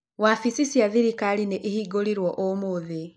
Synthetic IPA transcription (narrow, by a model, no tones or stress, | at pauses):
wafisisjaðiɾikalineʔihiɡoliɾwɔʔomuði